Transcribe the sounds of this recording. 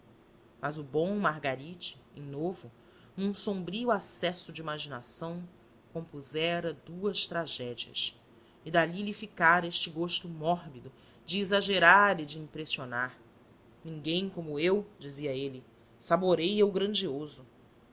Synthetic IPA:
mɐzʊbõw̃maɦɡaɾit͡ʃɪ̥ẽnovʊ | nũsõmbɾiuasɛsʊd͡ʒɪimaʒinasɐ̃w̃ | kõmpuzɛɾɐd̪uɐst̪ɾaʒɛd͡ʒiɐ̰s | ɪd̪alilifikaɾɐeʃt͡ʃɪɡoʃt̪ʊmɔɦbid̪ʊ | d͡ʒɪːzaʒeɾaɾɪd͡ʒɪĩpɾesionaɾ | nĩŋɡẽj̃kõmʊewd͡ʒiziɐelɪ | saboɾejewɡɾɐ̃nd͡ʒiozʊ

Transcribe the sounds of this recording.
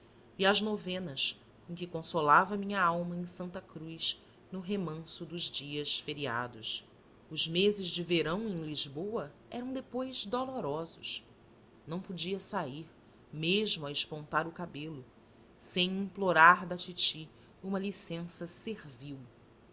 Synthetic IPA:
iɐʒnovẽnɐs | kõkɪkõsolavɐmĩɲɐawmɐẽj̃sɐ̃nt̪ɐkɾujs | nʊɦemɐ̃sʊd̪ʊzd͡ʒiɐsfeɾia̰d̪ʊs | ʊzmezɪzd͡ʒɪveɾɐ̃w̃ẽj̃liʒbowɐɛɾɐ̃w̃d̪epojzd̪oloɾɔzʊʃ | nɐ̃w̃pod͡ʒiɐsaiɾ | meʒmʊɐɪʃpõnt̪aɾʊkabelʊ | sẽj̃ĩŋploɾaɾd̪at͡ʃit͡ʃi | ũmɐlisẽsɐseɾviw

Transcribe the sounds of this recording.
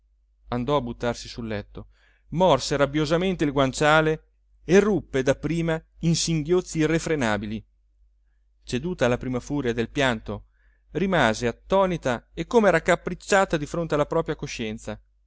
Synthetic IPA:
and̪ɔabːut̪ːarsisulːɛt̪ːo | mɔrseɾabjozament̪eilɡwant͡ʃaːle | erːupːed̪apːɾiːmainsiŋɡjot̪sːiːrefɾenaːbili | t͡ʃed̪uːt̪aːlapɾimafuːɾjad̪elpjant̪o | rimaːzeat̪ːɔːnit̪aekːomeɛːɾakːapːɾit͡ʃːaːt̪ad̪ifɾont̪ealapɾɔːpɾjakoʃːɛnt̪sa

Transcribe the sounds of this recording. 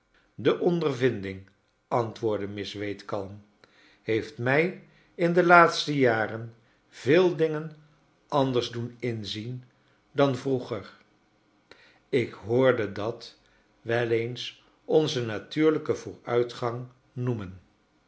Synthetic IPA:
dəʔɔndəɹvɪndɪŋ | ɑntʋʊːɹdəmɪsʋejtkɑlˠm | ɦejftmɛj | ɪndəlaːtstəjaːrən | v̥ɪːlˠdɪŋən | ʔɑndəɹzdunɪnzin | dɑnvruχəɹ | ɪkɦʊːɹdədɑt | ʋɛlejns | ɔnzənatyːɹləkəvʊːɹœɥtχɑŋ | numən

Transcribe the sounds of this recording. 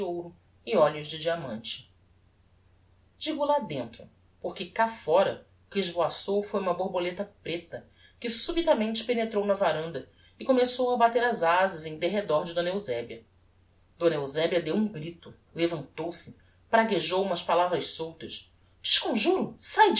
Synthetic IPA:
owɾʊ | ɪɔʎʊzd͡ʒɪd͡ʒiamɐ̃nt͡ʃɪ̥ | d͡ʒiɡʊlad̪ẽnt̪ɾʊ | poχkɪkafɔɾɐ̰ | ʊkɪːʒboasowfojumɐboɾbolet̪ɐpɾet̪ɐ | kɪsubit̪ɐmẽnt͡ʃɪ̥penet̪ɾownɐvaɾɐ̃nd̪ɐ | ɪkomesowɐbat̪eɾɐzazɪzẽj̃d̪eɦed̪ɔɾd͡ʒɪd̪õnɐewzɛbjɐ | d̪õnɐewzɛbiɐd̪ewũɡɾit̪ʊ | levɐ̃nt̪owsɪ | pɾaɡeʒowũmɐʃpalavɾɐʃsowt̪ɐʃ | d͡ʒɪʃkõʒuɾʊsaj

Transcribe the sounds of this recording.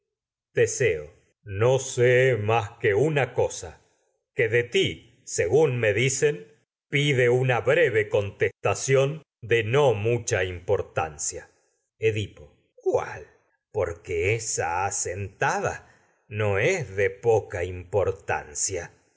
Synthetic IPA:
t̪eseo | nosemaskeunakosa | keðet̪i | seɣunmeðisen | piðeunaβɾeβeko̞nt̪est̪asjo̞n | d̪enomut͡ʃaimpo̞ɾt̪a̰nsja | eðipo | kwa̰l | po̞ɾkeesa̰ːsent̪aða̰ | noesðepokaimpo̞ɾt̪a̰nsja

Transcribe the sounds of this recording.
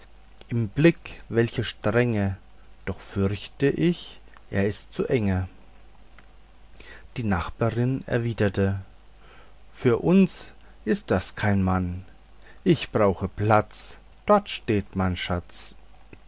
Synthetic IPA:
ʔɪmblɪkvɛlçəʃtʁ̥ɛŋə | d̥ɔχfʏɐçtəʔɪç | ʔeːɐɪstt͡suʔɛŋə | d̥iːnaχb̥aːʁɪnɛ̰ɐviːdɐtʰə | fyːɐʔʊns | ʔɪst̚d̥askʰaɪnman | ʔɪçb̥ʁaʊxəpl̥at͡s | d̥ɔɐtʃteːtmaɪnʃat͡s

